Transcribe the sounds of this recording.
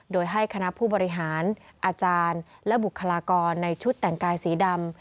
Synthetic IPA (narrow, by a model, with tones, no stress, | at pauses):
doː˧jɦa˥˩jkʰa˧na˦˥pʰuː˥˩bɔː˧ɾi˦˥ɦaː˩˦nʔaː˧t͡ɕaː˧nlɛ˦˥bu˨˩kʰːa˧laː˧kɔː˧nːa˧jt͡ɕʰu˦˥t̪ːɛ˨˩ŋkaː˧jsiː˩˦da˧m